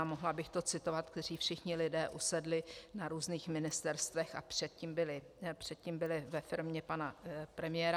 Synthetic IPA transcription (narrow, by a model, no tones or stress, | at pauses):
moɦlabɪxt̪o̞t͡sɪt̪o̞vat̪̚kt̪ɛriːfʃɪxɲɪlɪdɛːʔusɛdlɪnaɾuːzniːxmɪnɪst̪ɛɾst̪vɛxa̰pr̝̥ɛt̪̚ciːmbɪlɪ | pr̝̥ɛt̪̚ciːmbɪlɪvɛfɪɾmɲɛpanapɾɛmɪjɛːɾa